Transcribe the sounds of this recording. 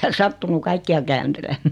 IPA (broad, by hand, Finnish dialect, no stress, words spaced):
hæn sɑtːunu kɑikːiɑ kæːntelemːæː